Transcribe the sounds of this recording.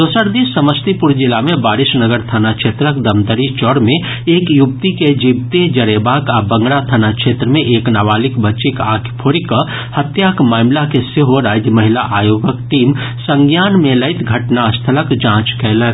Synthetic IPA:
d̪oːsəɾd̪isəməst̪ipʊɾd͡ʒɪlamẽbaːɾɪsnəɡəɾt̪ʰanakʃʰeːt̪ɾəkd̪əmd̪əɾit͡ʃɔːɽmẽ | eːkjʊpt̪iked͡ʒibt̪ed͡ʒəɾeːbaːkabə̃ŋɡɽat̪ʰanakʃʰeːt̪ɾəmẽʔeːknaʋaːlɪkbət͡ʃikaːkʰpʰoːɾikə | hət̪jaːkmaːmlakeseɦoɾaːd͡ʒjəməɦɪlaʔaːjoːɡəkʈiːm | sə̃ŋɡjaːnmẽləɪt̪ɡʱɐʈnaəst̪ʰələkd͡ʒãːt͡ʃkɛːlə

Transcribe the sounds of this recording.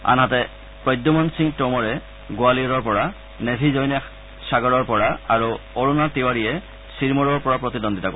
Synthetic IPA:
a̰nɦatɛ | pɹɔjd̪ɔmɔnsiŋtɔmɔɹɛ | ɡʊaliɔɹɔɹpɔɹa | nedʱizɔjnɛ | saɡɔɹɔɹpɔɹaaɹuoɹunatiwaɹijɛ | siɹmɔɹɔɹpɔɹapɹɔt̪idɔndʱitako

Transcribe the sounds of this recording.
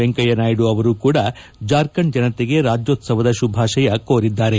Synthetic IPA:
eŋkɐjɐnaːjiɽuɐʋɐɾuːkuːɽɐ | d͡ʒaːɾkɐnd͡ʒɐnɐt̪eɡe̞ɾaːd͡ʒjoːt̪sɐʋɐd̪ɐʃubʱaːʃɐjɐkoːɾid̪ːaːɾe̞

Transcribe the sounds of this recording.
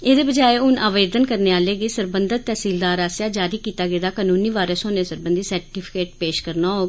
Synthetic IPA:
eːd̪eːbəd͡ʒaːeʊnʔaːʋeːd̪ənkəɾneːaːleːɡiːsəɾbənd̪ət̪̚t̪ɛːsiːld̪aːɾaːsjaːd͡ʒaːɾiːkiːt̪aːɡeːd̪aːkaːnũːniːʋaːɾəsoːnẽːsəɾbənd̪iːsəɾʈiːpʰɪkeːʈ̚peːʃkəɾnaːɦoː

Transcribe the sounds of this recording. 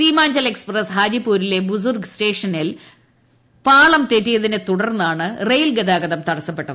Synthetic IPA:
siːmaːɲd͡ʑɐle̞kspresɦaːd͡ʑipːuːɾile̞bus̬urɡsʈe̞ːʂɐnil | paːɭɐmt̪etːijɐðinet̪uɽɐrnːaːɳɨrejlɡed̪aːɡɐðɐmt̪ɐɽɐsːɐpːeʈːɐðɨ

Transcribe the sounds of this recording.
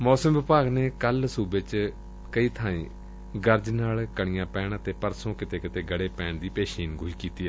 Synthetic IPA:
mɔːsəmʋɪpaːɡneːkəlsuːbeːt͡ʃ | kəiːt̪ʰaːḭ̃ː | ɡəɾd͡ʒnaːlkəɳɪjãːpɛːɳət̪eːpəɾsõːkɪt̪eːkɪt̪eːɡəɽeːpɛ̃ːɳd̪iːpeːʃiːnɡʱʊiːkiːt̪iːɛː

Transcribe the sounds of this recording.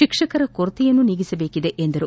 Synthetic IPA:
ikʂɐkɐɾɐkoɾt̪ijɐnːuniɡisɐbe̞ːkid̪eʔend̪ɐɾu

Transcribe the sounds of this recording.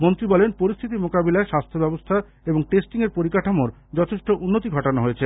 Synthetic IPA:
mont̪ɾibɔlenpoɾist̪ʰit̪̬imokabilaeʃast̪ʰebɛbost̪ʰa | eboŋʈesʈiŋeɾpoɾikaʈʰomoɾ | d͡ʑɔt̪ʰeʃʈoʔunːot̪̬iɡʱɔʈonoɦojet͡ɕʰe

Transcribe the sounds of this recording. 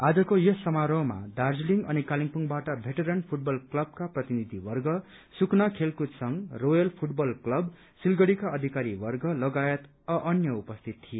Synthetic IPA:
ad͡zʌkojʌssʌmaɾoɦma̰dard͡zliŋɡʌ̰nikaliŋpuŋbaʈʌbʱeʈeɾenpʰuʈ̚bʌlklʌb̚kaprʌt̪inid̪ʱiwʌrɡʌ | suknakʰelkud̪sʌŋrojʌlpʰuʈbʌlklʌb | silɡʌɽikaʌd̪ʱikaɾiwʌrɡʌlʌɡajet̪ | ʌʔʌnjʌupʌst̪ʰit̪t̪ːʰije

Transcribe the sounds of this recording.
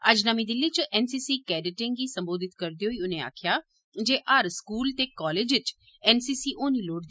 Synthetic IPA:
əd͡ʒnəmĩːd̪ɪlːiːt͡ʃʔɛːnsiːsiːkɛːɖɪʈɪ̃ŋɡiːsəmboːd̪ɪt̪kəɾd̪iːɦoiːʊnẽːa̰ːkʰjaː | d͡ʒeːʔaːɾskuːlt̪eːkaɔːleːd͡ʒʋɪt͡ʃ | ɛːnsiːsiːʔoːniːloːɽd̪i

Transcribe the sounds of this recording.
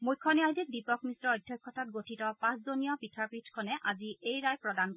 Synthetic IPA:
mujkʰːɔniajdik̚dipɔkmisɹɔːjdʱːjɔkʰːɔtat̚ɡotʰitɔpãszonijɔpitʰapɹitʰkʰɔnɛʔaziʔejɹajpɹɔdank

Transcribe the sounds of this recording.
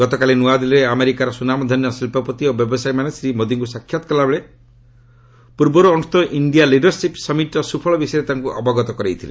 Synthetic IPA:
ɡɔt̪ɔkalinuad̪ilɔɾeameɾikaɾɔsunamɔd̪ʱɔnjɔsilpɔpɔt̪iobjɔbɔsajmanesɾimod̪iŋkusakʰːjɔt̪ɔ̥kɔlabeɭe | puɾbɔɾuːnust̪ɔʔiɳɖijaliɖɔɾsipsɔmiʈɔsupʰɔɭɔbisɔjɾet̪aŋkuʔɔ̰bɔɡɔt̪ɔkɔɾejt̪ʰilḛ

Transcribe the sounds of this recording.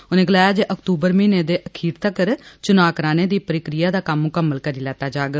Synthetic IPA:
ʊnẽːɡəlaːjaːd͡ʒeːʔəkt̪uːbəɾmiːneːd̪eːʔəkʰiːɾt̪əkəɾt͡ʃʊnaːkɾaːneːd̪iːpəɾɪkɾɪjaːd̪aːkəmːʊkəmːəlkəɾiːlɛːt̪aːd͡ʒaːɡ

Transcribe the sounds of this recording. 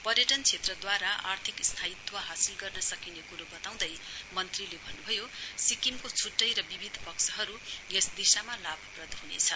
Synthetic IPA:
pʌrjʌʈʌnt͡sʰet̪rʌd̪waɾaʔa̰rt̪ʰikst̪ʰait̪ʰːuwaɦasilɡʌrnʌsʌkinekuɾobʌt̪aw̃d̪ʌjmʌnt̪rilebʱʌnːubʱʌjosikimkot͡sʰuʈːʌjɾʌbibʱid̪ʱpʌksʌɦʌɾuesd̪isamalabʱprʌd̪ʱɦunḛt͡sʰʌ̰

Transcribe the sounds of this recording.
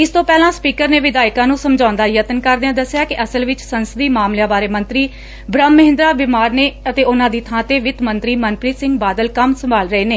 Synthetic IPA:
ɪst̪õːpɛːlãːspiːkəɾneːʋɪd̪aːɪkãːnũːsəmd͡ʒãːʊ̃nd̪aːjət̪ənkəɾd̪ãːd̪əsːjaːkɪʔəsəlʋɪt͡ʃsənsəd̪iːmaːmlejãːbaːɾeːmənt̪ɾiː | bɾəmːəɦɪ̃nd̪ɾaːbɪmaːɾneːət̪eːʊnãːd̪iːt̪ʰãːt̪eːʋɪt̪mənt̪ɾiːmənpɾiːsɪ̃ŋɡbaːd̪əlkəmsəmbaːlɾəeːneː

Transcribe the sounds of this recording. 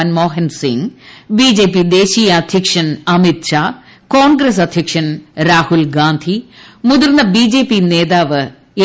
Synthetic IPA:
nmoːɦɐnsḭŋbiːd͡ʑe̞ːpːid̪eːɕijɐːd̪ʱjɐkʂɐnɐmit̪ɕaː | koːnɡɾɐsɐd̪ʱjɐkʂɐnɾaːhulɡaːnd̪ʱimuðuɾnɐbid͡ʑe̞ːpːineːðaːʋɨ | e

